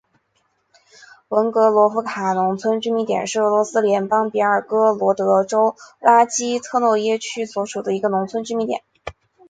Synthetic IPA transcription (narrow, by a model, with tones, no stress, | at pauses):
wə˧˥nkɤ˧˥lwɔ˧˥fu˧˥kʰa˨˩nʊ˧˥ŋt͡sʰwə˥nt͡ɕy˥mi˧˥˩t̪jɛ̰˨˩nʂɻ̩˥˩ɤ˧˥lwɔ˧˥sɹ̩˥ljɛ˧˥npɑ˥ŋpi˧˥ə˞˨˩kɤ˥lwɔ˧˥t̪ɤ˧˥ʈ͡ʂo˥ʊla˥t͡ɕi˥t̪ʰɤ˥˧nwɔ˥˩jɛ˥t͡ɕʰy˥swɔ˧˥ʂu˨˩d̪ə˦i˧˥ɡə˧nʊ˧˥ŋt͡sʰwə˥nt͡ɕy˥mi˧˥˩t̪jɛ̰˨˩˦n